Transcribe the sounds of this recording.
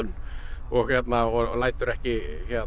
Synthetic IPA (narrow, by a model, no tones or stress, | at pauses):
ʏnɔɣçjɛt̪naɔlaːjt̪ʏɾɛhcɪçjɛt̪